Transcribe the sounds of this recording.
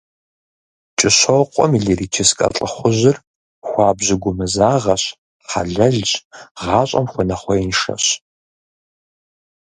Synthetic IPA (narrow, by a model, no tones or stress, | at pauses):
t͡ʃʼɪɕoqʷʼɔmiɮiriːt͡ʃʰɪskʼɐ̰ɬʼəχʷʊʑɪr | xʷɑːbʑɪɡʷʊmɨzaːʁɐɕ | χɐ̰ɮɐɮt͡ʃʼʁɑːɕʼɐ̰mxʷɔnɐχʷɔinʂɐ̰ɕ